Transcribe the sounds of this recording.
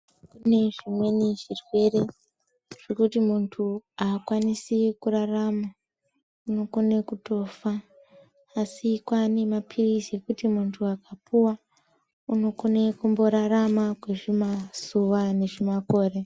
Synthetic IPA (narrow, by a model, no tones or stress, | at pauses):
kune̞ʐimwe̞neʐirwe̞re̞ | ʐ̥e̞kutimuntʰuaːkwanisikuɾarama | uno̞ko̞ne̞kuto̞ːfaː | sikwane̞mapʰirizekutimuntʰuakapuwa | uno̞ko̞ne̞kumbo̞ɾaramakwe̞ʐimaz̥uʋane̞ʐimako̞ːre̞